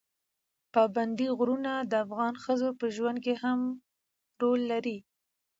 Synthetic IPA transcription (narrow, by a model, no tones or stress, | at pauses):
pɑband̪iɣɾunad̪əafɣɑnxəzopəʒwand̪̚keham | ɾolːaɾi